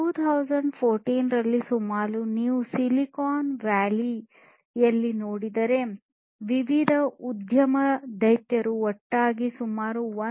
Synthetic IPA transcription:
ʈuːt̪ʰɐwzɐɳɖpʰoːɾʈiːnɾɐlːisumaːɾuniːʋusilikaːnʋæːli | jɐlːinoːɽid̪ɐɾe̞ | ʋiʋid̪ʱɐud̪ʱjɐmɐd̪ɐjt̪jɐɾuɔʈːaːɡisumaːɾuʋɐ

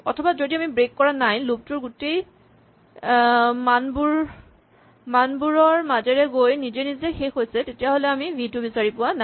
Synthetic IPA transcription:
ɔtʰɔbazodiamibɹekːɔɹanajlup̚tuɹɡutej | manbuɹ | manbuɹɔɹmazɛɹɛɡojnizenizɛxexojsɛtetijaɦolɛamibʱidubisaɹipʊwana

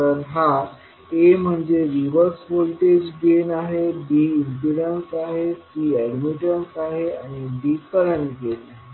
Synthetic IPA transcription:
əɾɦa | em̤əɳd͡ʑeɾiʋəɾsʋolʈed͡ʑɡenaɦebiːinpiɽənsaɦesiːɛɖmiʈənsaɦeaɽ̃ibikəɾəɳɡenaɦe

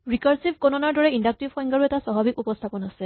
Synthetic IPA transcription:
ɹikaɹsibkɔnɔnaɹdɔɹɛindak̚tibʰɔj̃ŋɡaɹuɛtasaɦɔbikupɔstʰapɔnasɛ

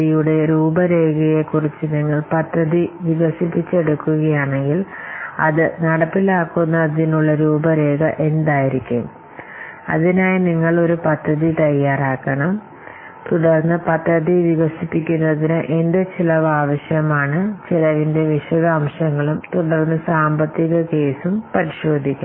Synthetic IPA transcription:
ijuɽe̞ɾuːbɐɾeːɡɐje̞kːurit͡ɕːɨniŋːɐɭpɐd̪ʱːɐðiʋiɣɐsipːit͡ɕːe̞ɽukːuɣɐjaːɳe̞ŋɡilɐ̰ðɨnɐɽɐpːilaːkːunːɐðinuɭːɐɾuːbɐɾe̞ːɡɐʔe̞nd̪aːjiɾikʲːum | ɐ̰ðinaːjiniŋːɐɭo̞ɾupɐd̪ʱːɐðit̪ɐjːaːraːkːɐɳɐm | t̪uɽɐrnːɨpɐd̪ʱːɐðiʋiɣɐsipːikʲːunːɐðinɨʔend̪et͡ɕilɐʋaːʋɐɕjɐmaːɳɨt͡ɕilɐʋinde̞ʋiʂɐðɐːmʂɐŋːɐɭumt̪uɽɐrnːɨsaːmbɐt̪ːiɣɐke̞ːsumpɐɾiɕo̞ːd̪ʱːikʲːɐ

